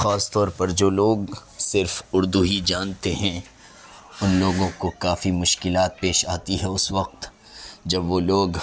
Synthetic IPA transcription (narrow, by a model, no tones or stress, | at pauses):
xaːst̪ɔːɾpɐɾd͡ʒoːloːɡsɪɾfʊɾd̪uɦid͡ʒaːnt̪eɦɛ̃ | ʊnloːɡõkokaːfimʊʃkɪlaːt̪̚peːʃaːt̪iɦɛʊsʋɐq̚t̪ | d͡ʒɐbʋoloːɡ